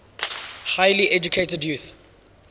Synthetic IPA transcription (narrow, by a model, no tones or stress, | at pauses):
haɪliʔɛd͡ʒukʰeɪtədjuːˑθ